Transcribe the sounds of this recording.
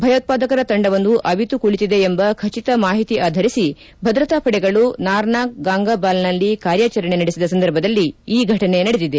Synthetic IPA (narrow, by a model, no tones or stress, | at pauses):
bʱɐjoːt̪̚paːd̪ɐkɐɾɐt̪ɐɳɖɐʋɐnd̪uʔɐbit̪ukuɭit̪id̪e̞ːmbɐkʰɐt͡ʃit̪ɐmaːɦit̪iʔaːd̪ʱɐɾisi | bʱɐd̪ɾɐt̪aːpʰɐɽɛɡɐɭunaːɾnaːk̚ɡaːŋɡaːbaːlnɐlːikaːɾjaːt͡ʃɐɾɐɳe̞nɐɽisid̪ɐsɐnd̪ʱɐɾbʱɐd̪ɐlːiiːɡʱɐʈɐne̞nɐɽed̪id̪e